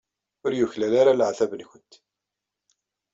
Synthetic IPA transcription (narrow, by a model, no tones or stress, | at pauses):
ʊɾjʊçlælaɾalʕθævənçʊnt̪